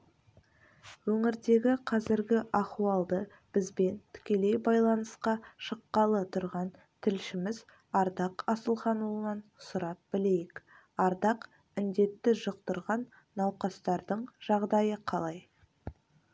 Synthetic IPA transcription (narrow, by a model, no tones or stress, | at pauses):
wɵŋɪɾd̪e̞ɡʲɪqʰɑzɪɾɡʲɪʔɑχuɑlˠd̪ə | b̥ɪzbe̞nt̪ʰʏ̥kʲe̞le̞jbɑjlˠɑnəsqɑʃəqːɑlˠət̪ʰʊɾʁɑn | t̪ʰɪlʃɪmɪz | ɑɾd̪ɑqɑsəlˠχɑnulˠənɑnsʊɾɑp̚bɪle̞jɪk | ɑɾd̪ɑq | ɪnd̪e̞t̪ːɪʒəqt̪əɾʁɑnː | ɑwqɑst̪ɑɾd̪əɴʒ̥ɑʁd̪ɑjəqʰɑlˠɑj